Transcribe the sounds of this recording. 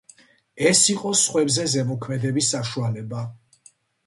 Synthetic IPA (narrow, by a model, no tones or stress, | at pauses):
ɛsiqʼɔsχwɛbzɛzɛmɔkʰmɛd̪ɛbisːaʃualɛba